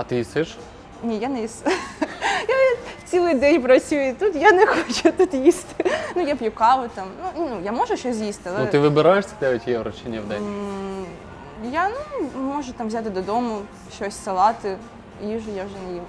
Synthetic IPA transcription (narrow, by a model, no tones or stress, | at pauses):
ɐt̪ɪjisɪʃ | nʲijanɛjis | jaft͡sʲsʲilˠɨjd̪ɛnʲp̬ɾɐt͡ssʲujʊit̪ut̪janɛxot͡ʃʊt̪ut̪jisʲtʲnujapjʊkɑʋʊt̪amnunʲnujamɔʒʊɕɔsʲzjisʲt̪ʲɐlˠnʊɪʋɨbɪɾajeʂsʲɐd̪ɛʋʲɪtʲjɛɾɐt͡ʃinʲːɐʋd̪ɛ̰nʲ | janumɔʐʊt̪amvzʲat̪ɨd̪ɐd̪ɔmʊ | ʃːɔsʲsɐlˠɑt̪ɪ | jiʒʊjaʊʐɛnɐji